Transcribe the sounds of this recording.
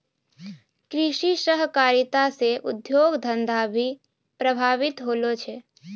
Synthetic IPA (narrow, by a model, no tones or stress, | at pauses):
kɾɪʃiʃəɦkaːɾɪt̪aseʔʊd̪joːɡd̪ʱə̃nd̪ʱabʱi | pɾəbʱaːʋɪt̪ɦoːlot͡ʃʰɛ